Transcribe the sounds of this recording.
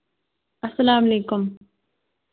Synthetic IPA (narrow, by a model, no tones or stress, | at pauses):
ɐsɐlaːmleːkʊm